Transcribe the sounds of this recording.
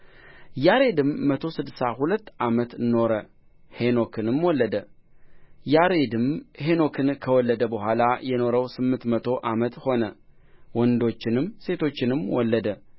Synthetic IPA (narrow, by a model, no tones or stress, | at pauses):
jaɾe̞d̪ɨmːət̪ʰo̞sɨd̪ːɨsahulət̪ːamət̪nːo̞ɾə | heno̞kʰɨnɨmwɔlːəd̪ə | jaɾed̪ɨmheno̞kʰɨnkʰəwɔlːəd̪əbəɦʷalajɛno̞ɾəwsɨmːɨnt̪mət̪ʰo̞ʔamət̪ho̞nə | wɔnd̪o̞t͡ʃːɪnɨmse̞t̪ʰo̞t͡ʃːɪnɨmwɔlːəd̪ə